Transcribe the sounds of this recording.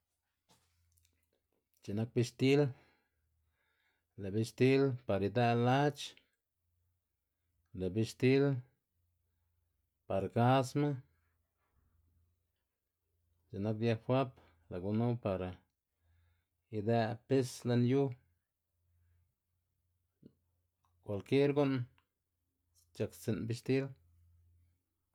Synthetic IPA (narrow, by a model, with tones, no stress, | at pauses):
t͡ʃe˨na˦k̚bi˧ʃt̪i˦l | le˨bi˧ʃt̪i˦lpa˨ɾi˧d̪e˧la˦t͡ʃ | le˨bi˧ʃt̪i˦l | pa˨ɾɡa˦sma˦ | t͡ʃe˨na˦kja˧xwa˦p | la˨ɡu˧nu˦pa˨ɾa˨ | i˧d̪a˧pe˦sle˧nju˦ | kʷa˧lke˦ɾɡu˦n | t͡ʃa˧ksi˧nbi˧ʃt̪i˦l